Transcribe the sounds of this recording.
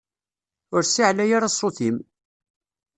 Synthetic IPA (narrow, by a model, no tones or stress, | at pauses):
ʊɾsiʕlæjaɾasˤːoθim